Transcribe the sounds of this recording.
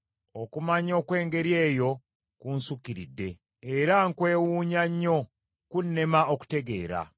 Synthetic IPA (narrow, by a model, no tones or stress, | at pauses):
o̞kumaɲo̞ːkwe̞ːŋɡe̞ɾje̞ːjo̞ | kunsukiɾidːe̞ː | ɾaŋkwe̞ːwuːɲaɲːo̞ | kunːe̞maoku̥te̞ɡe̞ːɾa̰